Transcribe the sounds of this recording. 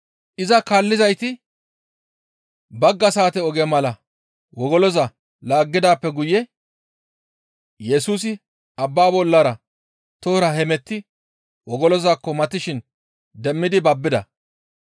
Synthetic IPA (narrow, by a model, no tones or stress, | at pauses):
ʔɪzɐkaːlːɪzɐjt̪ɪ | bɐɡːɐsaːt̪ɛɔɡɛmɐlɐ | wɔɡɔlɔzɐ | laːɡːɪd̪aːpːɛɡʊjɛ | jɛs̬uːs̬ɪ | ɐbːaːbɔlːɐɾɐ | t̪oːɾɐhɛmɛt̪ːɪ | wɔɡɔlɔzaːkːɔmɐt̪ːɪʃɪn | d̪ɛmːɪd̪ɪbɐbːɪd̪ɐ̰